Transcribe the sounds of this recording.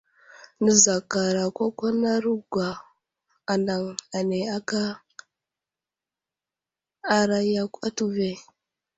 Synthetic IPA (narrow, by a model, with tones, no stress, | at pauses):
nə˦za˨ka˨ɾa˨kʷa˦kʷa˦na˦ɾu˦ɡʷa˨ | a˨nda˨ŋa˨ne˨a˦ka˦ | ɾa˦ja˦kʷa˦tu˦ve˦